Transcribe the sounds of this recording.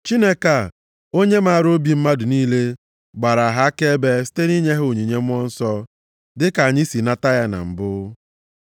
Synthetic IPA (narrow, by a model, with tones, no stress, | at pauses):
t͡ʃi˦ne˦ka˨ | o˦ɲe˦ma˦a˨ɾo˦bi˨m̩˦ma˦dʊ˨niː˦le˦ | ɡ͡ba˨ɾa˨ɦa˦ke˦e˦be˦si̥˦te˦ni˦ɲe˦ɦo˨ɲi˨ɲe˦mʷ˦ɔ˦n̩˦sɔ˦ | dɪ˦ka˨a˨ɲɪ˦si˨na˦ta˦ja˦na̰˨m̩˨bʊ˦